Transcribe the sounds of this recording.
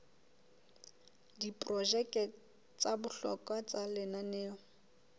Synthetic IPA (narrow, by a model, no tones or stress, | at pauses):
dipʼrɔd͡ʒɛkʼɛ | t͡sabʊɬɔ̰kʼwat͡salɪnaneːɔ